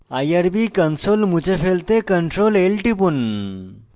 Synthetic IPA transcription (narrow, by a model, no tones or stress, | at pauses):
ajaɾbikənsolmud͡ʑefelt̪ekəɳʈɾolelʈipun